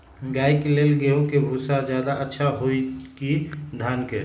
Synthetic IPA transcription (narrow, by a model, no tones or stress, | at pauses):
ɡaːjkeleːlɡeõkebʱuːsazjaːd̪aʔətːʃʰaɦoikid̪ʱaːnke